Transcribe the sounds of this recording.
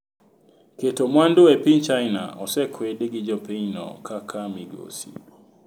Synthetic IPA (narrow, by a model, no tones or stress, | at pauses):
ketɔmwandoɛpint͡ʃajna̰ɔsɛkʰwɛɗiɡid͡ʒɔpeinɔ̰kʰakʰamiɡo̰sḭ